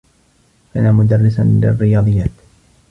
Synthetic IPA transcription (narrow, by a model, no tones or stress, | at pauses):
kaːnaːmʊd̪arːɪsanlɪ̰rːɪjɑːd̪ˤɨjːaːt̪